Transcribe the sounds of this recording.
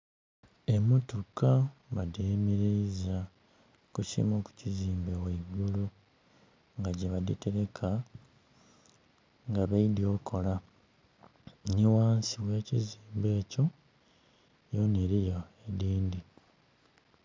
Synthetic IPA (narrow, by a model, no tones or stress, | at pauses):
emotukamademeɾeiza | kucḭmoku̥ciziːmbeweβolo | ŋɡaɟeβadite̞ɾe̞kʰa | ŋɡaβeidjo̞ːkʰo̞la | niwaːnsiβwe̞ːciziːmbe̞ːco̞ | joneɾiɾjaediːndi